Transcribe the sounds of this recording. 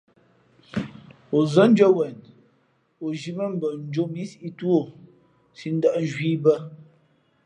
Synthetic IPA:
o˨zə˦n˦d͡ʒə˦wɛ˨n | o˨ʒi˨mə˦m̩˦bə˨n̩˦d͡ʒo˦mi˦si˦ʔi˦tu˦o˦˨ | si˦n̩˦də˦ʔn˦˨ʒwiː˦bə˦

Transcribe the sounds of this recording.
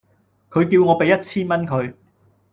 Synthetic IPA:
kʰɵ˨˧ɥkiː˧wŋɔː˨˧pe˨jːɐ˥t̚t͡sʰiː˥nmɐ˥nkʰɵ˨˧ɥ

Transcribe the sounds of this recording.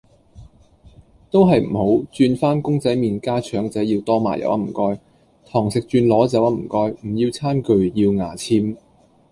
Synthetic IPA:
t̪o˥wɦɐ˨jm̩˨˩ho˨˥wt͡ʃyː˧nfaː˥nkʊ˥ŋt͡sɐ˨˥jmiː˨nkaː˥t͡ʃʰœː˨˥ŋt͡sɛː˨˥jiː˧wt̪ɔː˥ma̰ː˨˩jɐ̰˨˥wɐ̰˧m̩ː˨˩kɔː˧j | t̪ʰɔː˨˩ŋsɪ˨k̚t͡ʃyː˧nlɔː˨˥t͡sɐ˨˥wɐ˧m̩˨˩kɔː˧jm̩˨˩jiː˧wt͡sʰaː˥nkɵ˨ɥjiː˧wŋaː˨˩t͡sʰiː˥m

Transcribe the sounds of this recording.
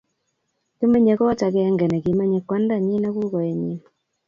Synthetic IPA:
ki˦me˦ɲe˨kɔ˦t͡ʃa˨kɛ˦ɛ˦ŋɡɛ˨nɛ˨ki˨mɛ˦ɲɛ˨kwa˦nda˦˨ɲi˦na˦ku˦kɔ˨ɛ˨ɲi˦na˨

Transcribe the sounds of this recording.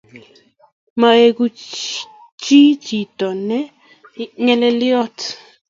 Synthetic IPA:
ma˨e˨ku˨ | t͡ʃi˦t͡ʃi˨tɔ˨nɛ˦ | ŋɛ˦lɛ˦ljɔ˦t

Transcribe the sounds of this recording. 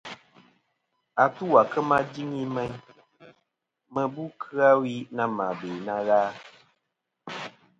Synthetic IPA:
a˨tu˦wa˨kə˦mã˦d͡ʒi˦ŋi˦mɛ˦ɲ | mə˨bu˦kʰɨ˦a˦wi˦na˦mã˨beː˨na˧ɣaː˦

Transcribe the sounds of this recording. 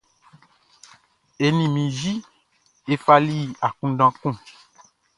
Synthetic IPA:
e˨nĩ˨mĩ˨ʒi˦ | e˦fa˦li˦˨a˨kũ˦ɖã˦kũ˦˨

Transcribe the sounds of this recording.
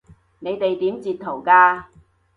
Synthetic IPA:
ne˨˧jt̪e˨jt̪iː˨˥mt͡siː˨t̚t̪ʰo˨˩wkaː˧

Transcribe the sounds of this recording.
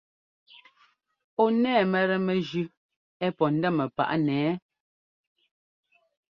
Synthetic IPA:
o˦nɛː˦˨mɛ˨ɾɛ˨mɛ˨d͡ʒʉ˦ | ɛ˦pɔ˨n̩˦dɛ˦˨mɛ˨pa̰˦˨ʔnɛː˨˦

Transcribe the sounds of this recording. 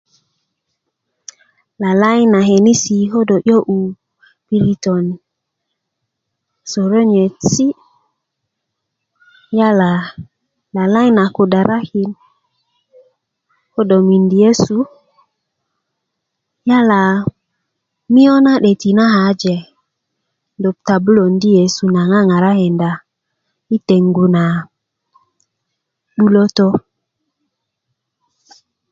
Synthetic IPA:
la˨la˦jna˨ɦe˨ni˦si˨ɦo˦do˨ʔo˦ʔu˨ | pi˦ɾi˨to˨n˨ | so˨ɾo˦ɲe˨si˦ | ja˦la˨ | la˨la˦jna˨ko˨da˨ɾʔa˦ki˨n | ho˦do˨mi˨ndi˨e˦su˦ | ja˦la˨ | mi˦o˦na˦ɗe˨ti˨na˦ɦa˨˦d͡ʒe˨ | do˨p̚ta˨bu˦lo˨ndi˦je˨su˨na˨ŋa˦˨ŋa˨ɾa˦he˨nda˨ | i˦te˨ŋɡu˨na˨ | ɗu˦lo˦to˦

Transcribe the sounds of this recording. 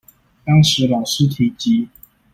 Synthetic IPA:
t̪ɑ˥ŋʂɻ̩˧˥lɑ˨˩ʊʂɻ̩˥˨t̪ʰi˨˧˩t͡ɕi˧˥˦

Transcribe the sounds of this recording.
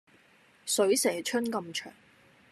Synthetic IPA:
sɵ˨˥ɥsɛː˨˩t͡ʃʰɵ˥nkɐ˧mt͡ʃʰœ̰ː˨˩ŋ

